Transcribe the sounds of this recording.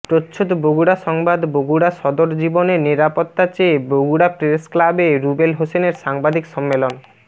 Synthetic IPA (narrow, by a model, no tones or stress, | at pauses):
ʈotːɕʰot̪boɡuɽaʃɔŋbad̪boɡuɽaʃɔd̪oɾd͡ʑiboneɾniɾapot̪ːat͡ɕeːboɡuɽapɾesklabeɾubelɦoseneɾʃaŋbad̪ʱikʃɔmːelon